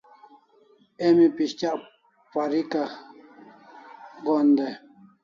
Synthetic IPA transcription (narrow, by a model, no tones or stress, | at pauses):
emipiʃt͡ʃaʔ | paɾika | ɡond̪e